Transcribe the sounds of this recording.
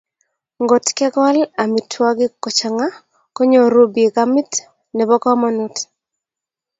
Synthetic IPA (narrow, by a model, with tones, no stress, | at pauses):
ŋɡo˨tkɛ˦ɡa˦la˨mi˨tʰwɔ˦ɡɪ˦kɔ˨t͡ʃa˨ŋa˦ | ko˦ɲo˨ɾo˦be˨ɡa˦mi˦t | nɛ˨bɔ˦kɔ˦mɔ˦nu˦t